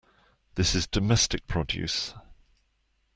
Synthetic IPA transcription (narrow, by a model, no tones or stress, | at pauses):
ðɪsɪzdəmɛstɪk̚pʰɹ̥ɒdjʉ̰ˑs